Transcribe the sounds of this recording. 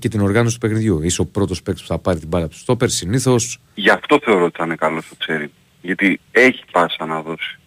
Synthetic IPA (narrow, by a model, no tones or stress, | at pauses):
ce̞t̪ino̞ɾɣɐnosi̥t̪upexniðʝuiseo̞pɾo̞t̪o̞spekt̪spu̥θɐpɐɾit̪ibɐlɐt̪u̥st̪o̞peɾsiniθo̞s | ʝɐft̪o̞θe̞o̞ɾot̪i̥t̪ɐnekɐlo̞st̪ose̞ɾim | ʝɐt̪ie̞çi̥pɐsɐnɐðo̞si̥